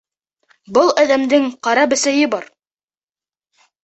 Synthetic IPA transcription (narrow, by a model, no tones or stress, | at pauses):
bɤlˠæðæmd̪ɘŋqɑɾɑbɘ̆sæjɘbɑɾ